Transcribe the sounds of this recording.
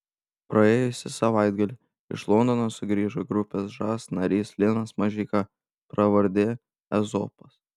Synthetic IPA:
pɾɐeːjʊsʲɪsɐʋaɪd̪ɡɐlʲɪ | ɪ̰ʃlˠɔnd̪ɔnosʊɡɾʲiːʒoɡɾʊpʲeːsʒɑːsnɐɾʲiːslʲɪnɐsmɐʒʲiːkɑ | pɾɐʋɐɾʲd̪ʲeː | ɛzo̰ːpɐs

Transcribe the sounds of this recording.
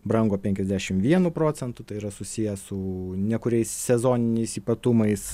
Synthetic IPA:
bɾɐŋɡoːpʲɛŋʲkʲɛzʲd̪ʲæːʃʲɪmʋʲiɛnuːpɾoːt͡s̪ʲɛnt̪ʊt̪ɐɪiːɾɐsʊsʲijɛsʊnʲiɛkʊɾʲɛɪssʲɛzoːnʲɪnʲɛɪsiːpɐt̪ʊmɐɪs

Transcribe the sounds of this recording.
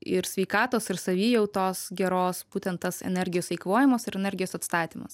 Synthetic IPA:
ɪɾsʲʋʲɛɪkɑːt̪oːsɪɾsɐʋʲiːjɛʊt̪oːsɡʲɛɾoːsb̥uːt̪ʲɛnt̪ɐsɛ̰nʲɛɾʲɡʲɪjoːsʲɛɪkʋoːjɪmɐsɪɾɛnʲɛɾʲɡʲɪjoːsɐt̪st̪ɑːt̪ʲiːmɐs

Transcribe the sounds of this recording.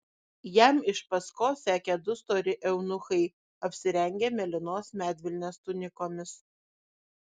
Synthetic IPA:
jɛmɪʃpɐskoːsʲæːkʲɛd̪ʊst̪oːɾʲɪʔɛʊnʊxɐɪ | ɐpʲsʲɪɾʲɛŋʲɡʲemʲɛlʲɪnoːsmʲæːd̪ʲʋʲɪlʲnʲeːst̪ʊnʲɪkoːmʲɪs

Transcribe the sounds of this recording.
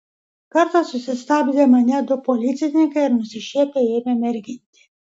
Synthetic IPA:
kaɾt̪asusest̪abilemaɲad̪opolit̪sʲenʲikajeɾmusiʃepejememeɾɡint̪i̥

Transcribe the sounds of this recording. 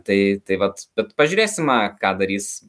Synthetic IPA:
t̪ɐɪt̪ɐɪʋɐt̪b̥ʲɛt̪pɐʒʲuːɾʲeːsʲɪmɑkɑːd̪ɐɾʲiːs

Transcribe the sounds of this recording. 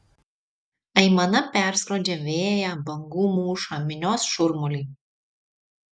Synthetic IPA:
ɐɪmɐnɐpʲæˑɾskɾoːd͡ʒʲɛʋʲeːjɛbɐŋɡuːmuːʃamʲɪnʲoːsʃʊɾmʊlʲiː

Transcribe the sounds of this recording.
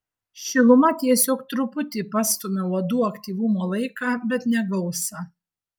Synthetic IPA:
ʃʲɪlˠʊmɐt̪ʲiɛsʲoːkt̪ɾʊpʊt̪ʲɪpɑːst̪omʲɛʋɐd̪uːɐkt̪ʲiːʋʊmoːlˠɐɪkɑːbʲɛt̪nʲɛɡɐʊsɐ

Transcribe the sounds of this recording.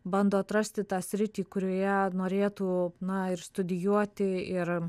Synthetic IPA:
bɐnd̪oːɐt̪ɾɐsʲt̪ʲɪt̪ɑːsʲɾʲɪt̪ʲiːkʊɾʲoːjɛnoːɾʲeːt̪uːnɐɪɾst̪ʊd̪ʲɪjuɔt̪ʲɪɪr

